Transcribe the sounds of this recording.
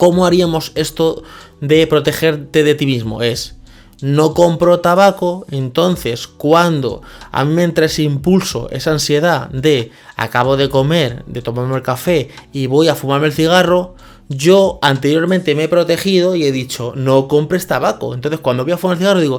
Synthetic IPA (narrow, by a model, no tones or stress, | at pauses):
ko̞moaɾiamo̞se̞st̪o | ðe̞pɾo̞t̪e̞xe̞ɾt̪e̞ðet̪imizmo̞̰e̞s | no̞ko̞mpɾot̪aβakoe̞nt̪o̞n̟θe̞skwand̪o̰a̰mĩmeent̪ɾae̞seimpulso̞̰ʔesaːnsje̞ð̞ad̪e̞ | a̰kaβ̞o̞ðeko̞me̞ɾd̪e̞t̪o̞maɾmelkafe̞iβo̞jafumaɾme̞lθiɣ̞aro̞ | ʝo̞ant̪eɾjo̞ɾmẽnt̪e̞mee̞pɾo̞t̪e̞xið̞o̞ie̞ðit͡ʃo̞no̞ko̞mpɾe̞st̪aβako̞ent̪onθeskwand̪oojafumaɾelθiɣaɾroðiɣo